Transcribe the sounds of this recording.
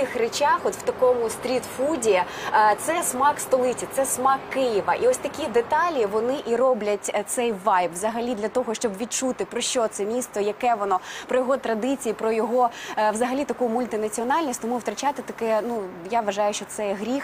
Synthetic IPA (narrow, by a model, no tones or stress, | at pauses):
ɪxret͡ʃɑxɔt̪wt̪ɐkɔmʊst̪ɾʲit̪fudʲi | t̪sɛsmɑkst̪ɔlˠɪt͡sʲit̪sɛsmɑkːɪjiʋɐʔiɔsʲt̪ɐkʲid̪et̪ɑlʲiʋɔnɪʔirɔblʲɐtʲt̪sɛjʋɑjpʋzɐɦɐlʲid̪lʲɐt̪ɔɦɔʃt͡ʃɔbʋʲid̪̚t͡ʃut̪ɪpɾɔʃt͡ʃɔt̪sɛmʲist̪ɔjɐkɛʋɔnɔpɾɔjɔɦɔt̪ɾɐd̪ɪt͡sʲijipɾɔjɔɦɔʋzɐɦɐlʲit̪ɐkujʊmʊlʲt̪ɪnɐt͡sʲiɔnɑlʲnʲisʲtʲt̪ɔmuwt̪ɾɐt͡ʃat̪ɪt̪ɐkɛnujaʋɐʒɑjʊʃt͡ʃɔt̪sɛɦɾʲix